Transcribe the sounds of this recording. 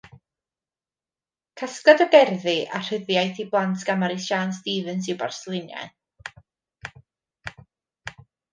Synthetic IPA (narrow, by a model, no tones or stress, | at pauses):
kʰaskɔdɔɡɛrðiʔa̰r̥ɪðjajθiblˠantʰɡ̥amaɾisʃaːnstiːvənsiba̰rsəlˠɪnja̰ɨ